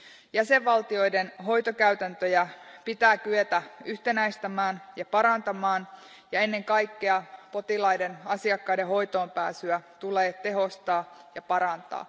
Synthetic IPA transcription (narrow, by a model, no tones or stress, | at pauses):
jæse̞ʋʋɑlt̪io̞jdenɦo̞jt̪o̞kæɥt̪ænt̪øjæpit̪æːk̟yet̪æyht̪e̞næjst̪æmæːnjɑpɑɾɑnt̪ɑmɑːn | jɑe̞nːe̞ŋkɑjkːeɑpo̞t̪ilɑjde̞nɑsiɑkːɑideɦo̞jt̪o̞ːmpæ̰ːsyæt̪uleːt̪e̞ɦo̞st̪ɑːjɑpɑɾɑnt̪ɑ̰ː